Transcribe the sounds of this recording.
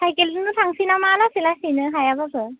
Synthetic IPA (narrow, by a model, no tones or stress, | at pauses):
sʰajkelɯnɯtʰaŋsinamalasilasinɯɦajabapʰɯ